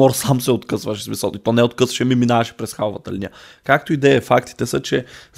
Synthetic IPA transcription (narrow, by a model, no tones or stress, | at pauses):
ɔɾsamsɛot̪kɤsvəʃsmisəlˠit̪ɔnɛot̪̚kɤsvəʃɛmiminavɐʃɛ̥pɾɛsxalˠvət̪əlinḭəkak̚t̪oid̪ɛjəfak̚t̪i̥t̪ɛsət͡ʃɛz